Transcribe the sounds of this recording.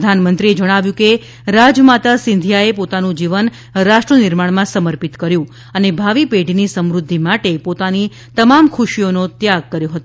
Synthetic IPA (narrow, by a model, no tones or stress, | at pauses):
d̪ʱanmənt̪ɾied͡ʒəɽ̃aʋjũke | ɾad͡ʒmat̪asɪ̃nd̪ʱijaepot̪anũd͡ʒiʋən | ɾaʃʈɾənɪɾmaɳmãsəməɾpit̪kəɾjũ | ənebʱaʋipeɖʱinisəmɾʊd̪ʱːimaʈepot̪ani | t̪əmamkʰuʃijonot̪jaɡ̚kəɾjoɦət̪o